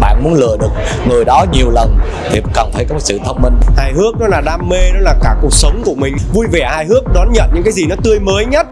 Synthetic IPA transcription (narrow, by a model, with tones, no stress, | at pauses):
ɓa̰ː˧˨nmu˨˦ənlɨ̰˧˨əɗɨ˨˩ək̚ | ŋɨ˨˩jɗɔ˨˦ɲi˨˩əwlə˨˩n | t̪ʰi˨˩˨kaː˨˩nt̪ʰə˨˦jkɔ˨˦m̚˨˩sɨ̰˧˨t̪ʰə˦wŋ͡m̚mi˧nhaː˧jɦɨ˦˥ək̚nɔ˨˦laː˨˩ɗaː˧mːe˧nɔ˨˦laː˨˩kaː˧˩ku˨˩ək̚sə˨˦wŋ͡mku˧˩əmï˨˩ŋ̟vu˧jvɛ˧˩haː˧jhɨ˦˥ək̚ɗɔ˨˦nɲə̰˧˨nɲɨ̰˧˥kaː˨˦jzi˨˩nɔ˨˦t̪ɨ˧əjməː˨˦jɲə˦˥t̚